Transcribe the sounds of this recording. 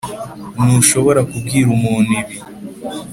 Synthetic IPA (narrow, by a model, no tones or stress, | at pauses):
nuʃo̞βo̞ɾakub̚ɡiːɾumuːniβi